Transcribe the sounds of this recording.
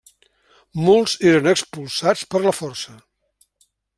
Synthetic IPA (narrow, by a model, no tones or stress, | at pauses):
molˠz̥eɾənəkspulˠsat͡spəɾləfɔrsə